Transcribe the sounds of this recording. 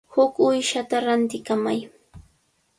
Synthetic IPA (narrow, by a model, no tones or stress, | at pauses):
hʊkʊjʃat̪aɾant̪ɪkamaj